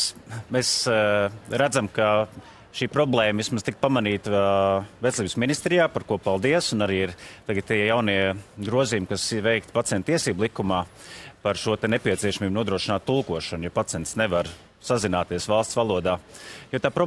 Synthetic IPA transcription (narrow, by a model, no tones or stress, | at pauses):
mes | ɾæd̪zamka | ʃiːpɾɔblˠɛːmʋismazt̪ik̚pamaniːt̪əvet̪sʲlˠiːbsminist̪ɾijaːpaɾkuɔpalˠd̪iɛsʊnaɾiːiɾt̪aɡət̪t̪ijawniɛɡɾuɔziːjumkasiʋɛjk̚t̪pat̪iɛ̃nt̪̚t̪iɛsiːblˠikumaːpaɾʃuɔt̪ɛnepiɛt̪siɛʃamiːbnuɔd̪ɾuɔʃinaːt̪ːulˠkuɔʃɐnjapat̪siɛnt̪sneʋaɾ | sazinaːt̪iɛəsʋɑlˠst̪sʋalˠuɔd̪aːjoːt̪aːpɾɔ